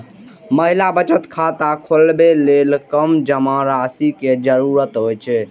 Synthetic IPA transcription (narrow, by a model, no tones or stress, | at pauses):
məɦilabət͡ʃət̪kʰat̪akʰolbelelkəmd͡ʒəmãɾasiked͡ʒəɾuɾət̪ɦojt͡ʃʰɛ